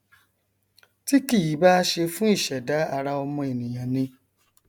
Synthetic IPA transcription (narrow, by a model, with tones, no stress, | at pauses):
ti˦ki˦˨ji˨˦ba˦˧ʃe˧fũ˦i˦˨ʃɛ˨da˨˦a˦˧ɾa˧ɔ˧mɔ̃˧e˨nĩ˨j̃ã˨nĩ˧